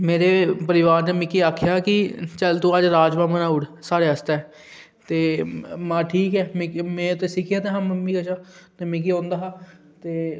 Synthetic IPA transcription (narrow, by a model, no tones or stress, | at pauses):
meːɾeːpəɾɪʋaːɾnẽːmɪkːiːaːkʰjaːkɪt͡ʃəlt̪õːəd͡ʒɾaːd͡ʒmãːmənaːʊɽsaːɽeːəst̪aːɛ | t̪eːmãːʈʰiːkɛːmmɛ̃ːt̪eːsɪkʰɪjaːt̪eːɦãːməmːĩːkəʃaːt̪eːmɛ̃ːk̬iːõːnd̪aːɦaː | t̪eː